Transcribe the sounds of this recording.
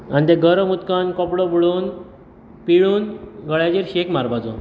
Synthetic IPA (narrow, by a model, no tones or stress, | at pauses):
ant̪eɡəɾəmut̪kankɔpɽɔbɭuːn | piɭuːnɡəɭjad͡ʑiɾɕekmaɾbad͡zo̰